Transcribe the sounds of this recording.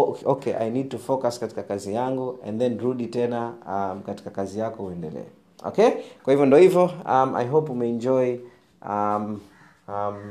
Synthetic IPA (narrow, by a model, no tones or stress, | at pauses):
okɛʔa̰jnid̚tufɔkaskati̥kakazijaŋɡuɛ̰̃nðɛnɾuɗitɛnaamkati̥kakazijakɔuɛndɛlɛ̰ɛ | ɔ̰kekwahivjɔndɔhivjɔama̰jɦopwumɛɛnd͡ʒɔj | am | am